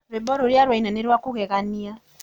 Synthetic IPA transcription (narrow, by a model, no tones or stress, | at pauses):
βebɔɾoɾjaɾwainaneɾwakuɣɛɣania